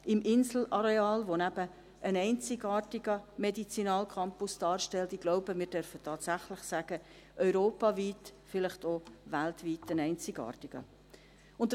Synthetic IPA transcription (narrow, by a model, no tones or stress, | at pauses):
ɪmɪnzl̩ɑɾeɑːlʋonæb̥ə | ənɛɪnt͡sɪɡɑːrtiɡəmedit͡sinɑːlkʰɑmpʊsd̥ɑːɾʃtɛltiɡ̥loʊbəmɪːɾd̥œɾfətʰɑːtsæχlɪχsæːɡ̥ə | ʔœʏɾoːpɑviːtfɪlɪχtovæltviːtənɛɪnt͡sɪɡɑ̰ːrtiɡ̥ə̰ | ʊntə